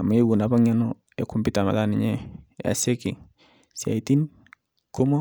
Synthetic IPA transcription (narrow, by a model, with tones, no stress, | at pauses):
a˨ma˨˦i˦wu˨na˨ba˦ŋa˦nɔ˦ | e˨ku˦mbi˦ta˨ma̰˨ða˦nɪ˨ɲɛ˦a̰˨se˦ki˨ŋ | sja̰˨i˨ti˦n | ko˦mɔ˦